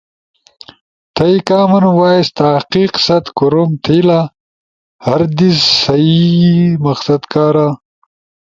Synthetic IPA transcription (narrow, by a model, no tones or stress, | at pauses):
t̪ʰɐikaːmɐnwaːest̪aːqiːqsɐt̪kuɾomt̪ʰila | hɐɾd̪isːɐimɐqsɐd̪kaːɾa